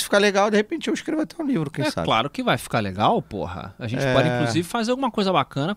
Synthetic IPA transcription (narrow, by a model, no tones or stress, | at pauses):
sfi̥kaleɡawd̪ehepẽnt͡ʃɪewiʃkɾevʊat̪ɛũlivɾʊkẽjsɛsa̰la̰ɾʊkɪvajfi̥kaɾleɡawpo̰hɐ̰aʒẽnt͡ʃɪpɔd͡ʒĩkluzivɪfazeɾawɡũmɐkojzɐbakɐ̃nɐ